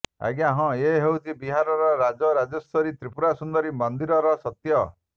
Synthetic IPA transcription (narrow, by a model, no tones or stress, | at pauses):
a̰ɡaɦɔ̃eɦewt͡ʃʰibiɦaɾɔɾɔɾad͡ʒɔɾad͡ʒɔst̪ʰɔɾit̪ɾipuɾasund̪ɔɾimɔnd̪iɾɔɾɔsɔt̪jɔ